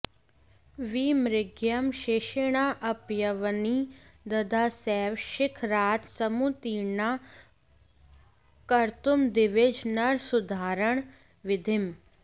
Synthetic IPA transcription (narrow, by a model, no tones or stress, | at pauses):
ʋiːmɾɪɡjəmʃeːʃeɳaːʔəpjəʋniːd̪ɐd̪ʱaːsɛːʋʃɪkʰɾaːt̪səmuːt̪iːnaː | kəɾt̪ʊmd̪ɪʋɪd͡ʒnəɾsʊd̪ʱaːɾəɳ̃ | ʋɪd̪ʱɪm